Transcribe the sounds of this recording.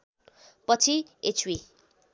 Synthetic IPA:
pʌt͡sʰiet͡sʰwi

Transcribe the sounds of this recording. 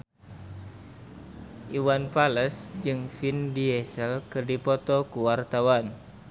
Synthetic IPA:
ʔiwanpaləsd͡ʒɨŋfindiɛsəlkɨrdipɔt̪ɔkuwart̪awan

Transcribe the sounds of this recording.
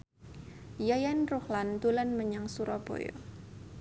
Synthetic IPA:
jajanruhlant̪ulanməɲaŋsuɾabo̰jo̰

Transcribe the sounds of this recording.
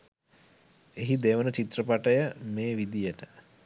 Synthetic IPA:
eɦid̪eʋənət͡ʃit̪rəpaʈəjəmeːʋid̪ijəʈə

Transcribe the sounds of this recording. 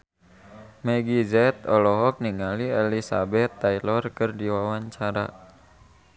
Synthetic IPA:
mɛɡizɛt̪ɔlɔɦɔk̚niŋaliɛlisabɛt̪ːajlɔrkərdiwawaɲt͡ʃaɾa̰

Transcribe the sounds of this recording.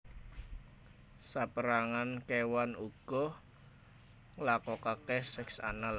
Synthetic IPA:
sapəɾaŋankewanuɡ̥ɔ | lakɔkakɛhsɛksa̰nal

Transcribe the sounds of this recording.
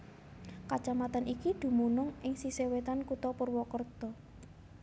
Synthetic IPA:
kat͡ʃamat̪anʔikid̪̥ṳmunʊŋʔɪŋsisewet̪ankut̪ɔpərwɔkərd̪̥ɔ

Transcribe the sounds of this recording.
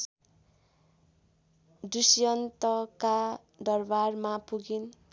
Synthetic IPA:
dusjʌnt̪ʌka | d̪ʌrbarmapuɡin

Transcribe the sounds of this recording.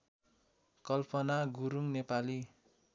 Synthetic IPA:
kʌlpʌnaɡuɾuŋnepali

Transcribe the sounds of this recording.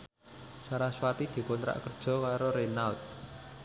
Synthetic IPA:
saɾaswat̪id̪̥i̤pʊnt̪ɾa̰ʔkərd̥ʒ̥ɔ̤kaɾoɾenalt̪̚

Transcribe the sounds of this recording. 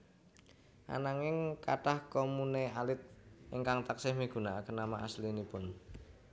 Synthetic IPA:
ʔa̰naŋɪŋka̰ʈahkomunealɪt̪̚ɪŋkaŋt̪aksɪhmiɡ̥ṳnaakənamaʔaslinipʊn

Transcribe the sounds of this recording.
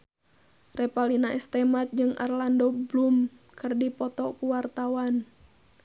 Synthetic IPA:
rɛpalinaɛst̪ɛmat̪̚d͡ʒɨŋʔa̰rlandɔblum | kɨrdipɔt̪ɔkuwart̪awan

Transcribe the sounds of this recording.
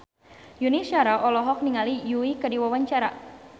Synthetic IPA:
junisiaɾaʔɔlɔɦɔk̚niŋalijuikədiwawaɲt͡ʃaɾa

